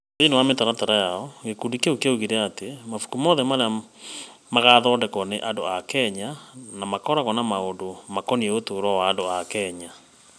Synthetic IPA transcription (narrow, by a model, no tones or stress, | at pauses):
inewametaɾataɾajaɔɣekuːndikeokeuɣiɾɛatemafu̥kumɔðɛmaɾea | maɣaðɔːndɛkɔneʔandoakɛɲanamakɔɾaɣɔnamaondomakɔnieotoɾwawaːndoakɛɲa